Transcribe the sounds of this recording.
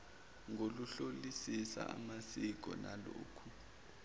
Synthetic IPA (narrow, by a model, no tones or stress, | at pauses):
ŋʱoluɬolisisa̰amasik̬ʼɔ̰naloːkʰu